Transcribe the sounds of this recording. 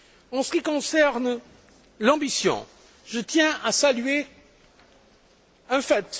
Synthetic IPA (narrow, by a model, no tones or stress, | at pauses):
ɑ̃sə̥kʲikɔ̃sɛʁn | lɑ̃bisjɔ̰̃ | ʒət̪jɛ̃asalɥe | ɛ̃fɛt̪